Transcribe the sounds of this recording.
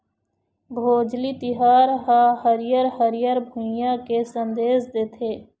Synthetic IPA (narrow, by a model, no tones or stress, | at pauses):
bʱoːd͡ʒlit̪ɪɦaːɾɦaɦəɾɪjəɾɦəɾɪjəɾbʱʊ̃jakesə̃nd̪eːzd̪eːt̪ʰeː